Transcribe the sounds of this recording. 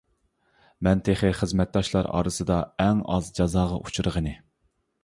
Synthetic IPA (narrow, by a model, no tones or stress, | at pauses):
mɛnt̪ʰeχɪχəzmɛt̪̚d̪ɑʃlˠɑɾɑ̰ːɾɨsɨd̪ɑɛŋɑzd͡ʒɑzɑːʁɑ̰ʔut͡ʃʰuɾəʁənɨ